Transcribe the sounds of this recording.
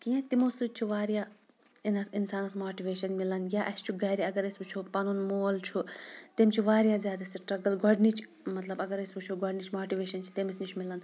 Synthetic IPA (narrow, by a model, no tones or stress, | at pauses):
kiẽt̪imosut͡ʃʰiʋaːɾja | inɐsinsaːnɐsmoːʈiʋeːʃɐnmilɐnɡʲaːʔɐst͡ʃʰuɡɐːɾiɐɡɐɾɐsʲbut͡ʃʰupɐnunmoːlt͡ʃʰut̪emt͡ʃʰiʋaːɾjaːzjaːd̪ɐsiʈɾɐɡɐlɡɐɖnit͡ʃʰ | mɐt̪lɐbɐɡɐɾɐsʲbut͡ʃʰuɡɐɖnit͡ʃʰmoːʈiʋeːʃɐnt͡ʃʰi̥t̪emisnit͡ʃʰmilɐn